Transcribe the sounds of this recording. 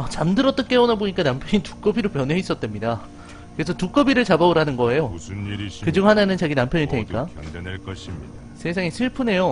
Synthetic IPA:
at͡ɕamdɯɾʌt͈ʌk͈e̞onaboɲik͈anampʰjʌɲitu̥k͈ʌbiɾopjʌnɦe̞is͈ʌt̚t͈wemɲida | kɯɾe̞sʰʌtuk͈ʌbiɾɯɭt͡ɕabaɯɾɦanɯnɡʌe̞jo | kɯd͡ʑuŋhananɯnt͡ɕaɡinampʰjʌɲiɭtʰeɲik͈a | sʰe̞sʰaŋesʰɯɭpʰɯne̞jo

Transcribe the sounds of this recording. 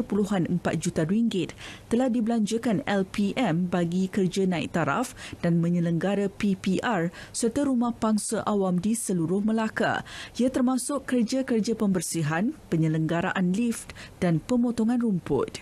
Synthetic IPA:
ərpuluɦanəmpat̪̚d͡ʒut̪aɾiŋɡɪt̪ːəlahdibəlaɲd͡ʒəkanɛlpiɛmbaɡikərd͡ʒanãḭk̚t̪aɾa̰fd̥anmə̃ɲələŋɡaɾapipiʔarsərt̪aɾumahpaŋsaʔawamdisəluɾʊhməlaka̰ʔiat̪ərmãsʊkːərd͡ʒakərd͡ʒapəmbərsiɦanpəɲə̃ləŋɡaɾaʔanlift̪d̥anpəmõt̪oŋãnrumpʊ̰t̪̚

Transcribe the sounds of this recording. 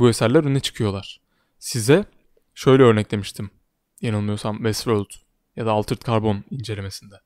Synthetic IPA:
bue̞sæɾlʲæɾønɛt͡ʃʰɯ̥kʰɯjo̞lˠaɾ̥ | sizɛ | ʃø̞jlʲɛø̞ɾnɛclʲe̞miʃt̪ʰim | janɯnːˠɯjo̞sambɛsɾølʲd̪ | jad̪aːlˠt̪ʰɯɾt̪kʰaɾbo̞nind͡ʒe̞lʲe̞me̞sind̪ɛ

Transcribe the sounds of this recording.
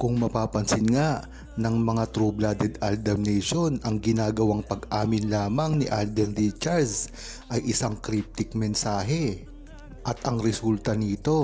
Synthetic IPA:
kʊŋmɐpaːpɐnsɪnŋaʔ | nɐŋmɐŋat̪ɾublad̪ɛd̪ald̪ɐmnɛjʃonɐŋɡɪnaːɡɐwaŋpɐɡʔaːmɪnlaːmɐŋnɪ̰ʔald̪ɛnd̪it͡ʃaɹs | ʔɐjʔɪsaŋkɾip̚t̪ɪk̚mɛnsaːɦɛ | ʔɐt̪ɐŋɾɛsult̪ɐnit̪o̞

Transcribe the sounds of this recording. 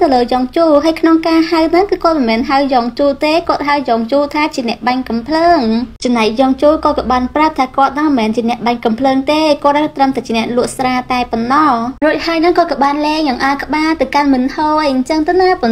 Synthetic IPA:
t̪ɨwləːjɑːŋt͡ɕuːlɦaːjkʰnoŋkaːhawnɨŋkɨːkŏət̪̚mɛːnɦawjɑːŋt͡ɕuːlt̪eːkŏət̪̚ɦawjɔːŋt͡ɕuːlt̪ʰaːt͡ɕiənɛ̆əʔɓaŋkɑmpʰləːŋt͡ɕɑmnaɛk̚jɔːŋt͡ɕuːlkɑːkɑːɓaːnprap̚t̪ʰaːkŏət̪̚nɑːmɛːnt͡ɕiənɛ̆əʔɓaŋkɑmpʰləːŋt̪eːkŏət̪̚nɑt̪rəmt̪aɛt͡ɕiənɛ̆əʔlʊ̆əʔsraːt̪aɛponːɑhruəc̚haəjnɨŋkɑːkɑɓaːnlɛːŋjɑŋʔaːkə̆ɓaːt̪awkanmɨnʰoʔɲt͡ɕəŋt̪ɨwnapon

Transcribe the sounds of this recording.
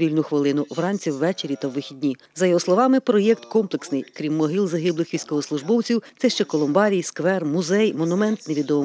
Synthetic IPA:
ʋʲilʲnʊxʋɪlˠɪnʊʋrɑnʲt͡sʲiwːɛt͡ʃeɾʲit̪ɐwʋɪxʲidʲnʲi | zɐjɔɦɔslˠɔʋɑmɪpɾɔjɛk̚t̪kɔmplˠeksnɪjkɾʲimːɔɦilˠzɐɦɪblˠɪxʋʲijsʲkɔɦɔslˠʊʒbɔwt͡sʲiwtsɛʃt͡ʃɛkɔlˠɔmbɑɾʲijskʋɛrmʊzɛjmɔnʊmɛnt̪neʋʲid̪ɔm

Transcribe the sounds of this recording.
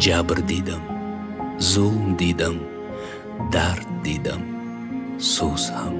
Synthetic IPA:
d͡ʒaːbɨɾd̪id̪ɐm | zomd̪id̪ɐm | d̪aɾt̪̚d̪id̪ɐm | sosham

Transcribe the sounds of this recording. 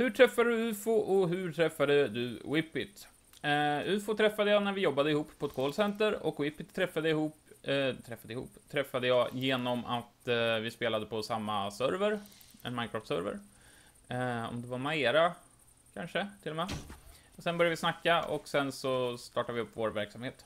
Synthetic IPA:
hɵʈʰɾɛfːad̪d̪ɵʉ̟ːfʊʔɔɦɵʈʰɾɛfːad̪əd̪ɵwɪpːɪt̪ | ʉ̟ːfʊt̪ʰɾɛfːad̪əjɑːnæɾvɪjɔbːad̪əɪhuːpːpʰːɔɛt̪̚kʰoːlsɛnt̪əɾɔ̰kwɪpːɪt̪ʰːɾɛfːad̪əɪhuːp̪t̪ʰɾɛfːad̪əɪhṵːpːt̪ʰɾɛfːad̪əjɑːjeːnɔma̰t̪vɪspeːlad̪əpʰɔsamːasœɾvəɾɛ̰nmaɪnkʰɾɔft̪sœ̰ɾvə̰ɾ | ɔ̰md̪ɛvamaeːɾa | kʰanʂət̪ʰɪlɔmɛː | sɛnbœɾjavɪsnakːaɔ̰ksɛnsɔst̪ɑːʈavɪɵpːvoːɾvæɾksamheːt̪

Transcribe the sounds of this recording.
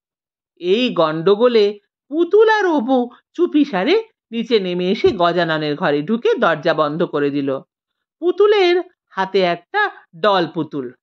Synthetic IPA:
ejɡɔɳɖoɡole | put̪ulaɾobu | t͡ɕupiʃaɾe | nit͡ɕenemeeʃeɡɔd͡ʑanɔneɾɡʱɔɾeɖʱuked̪ɔɾd͡ʑabɔnd̪ʱokoɾed̪ilo | put̪uleɾ | hat̪eɛk̚ʈaɖɔlput̪ul

